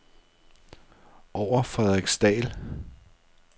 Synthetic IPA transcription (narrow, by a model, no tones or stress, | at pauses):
ɒʊ̰ɐfʁɛðˠʁiɡ̥sd̥ɛ̰ːl